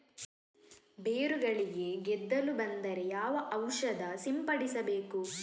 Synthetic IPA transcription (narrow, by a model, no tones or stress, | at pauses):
beːɾuɡɐɭiɡe̞ɡɛd̪ːɐlubɐnd̪ɐɾejaːʋɐʔɐwʃɐd̪ɐsimpɐɽisɐbe̞ːku